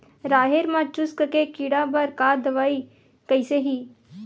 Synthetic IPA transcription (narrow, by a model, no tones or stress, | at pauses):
ɾaːɦeɾmãt͡ʃʊskkekiɽabɐɾkaːd̪ɐʋaːi | kəɪseɦiː